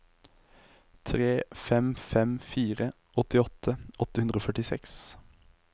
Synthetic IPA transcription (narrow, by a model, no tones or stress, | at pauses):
t̪ʰʁeːfɛmfɛmfiːʁə | ʔɔt̪ɪɔt̪ʰəʔɔt̪əhʉnd̪ʁəoːfœʈɪsɛks